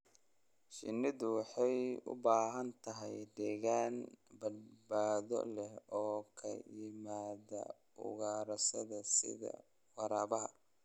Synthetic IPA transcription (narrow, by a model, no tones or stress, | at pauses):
ʃɪnːɪðʊwɑħɑjʊ̰baːɦɐnt̪ʰɐɦɛjd̪ɛːɣaːnbɐd̪baːðɔ̰lɛhɔːkʰɐ̰jɪmaːðɐ̰ | ʊ̰ɣaːɾɐsɐðɐsɪ̰ðɐ̰ | wɑɾaːβɐɦɐ